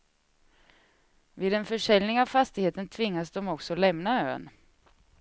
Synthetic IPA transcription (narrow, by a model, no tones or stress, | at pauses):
viːd̪ɛnfœʂɛlnɪŋavfast̪ɪɡheːt̪ənt̪ʰvɪŋːasd̪ɔmɔksɔlɛmnaø̰ːn